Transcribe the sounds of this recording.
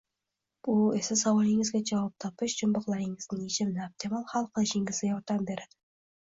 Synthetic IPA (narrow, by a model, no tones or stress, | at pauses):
bʊesɪsawɑlˠɪŋɪzɡʲad͡ʒɑwɑp̚t̪ʰɒpɪʃd͡ʒʊmbɑqlˠaɾɪŋɪznɪŋet͡ʃʰɪmnɪap̚t̪ʰemalˠhalˠqʰɨlˠɪʃɪŋɪzɪjɒɾd̪ambe̞ɾad̪̥ɪ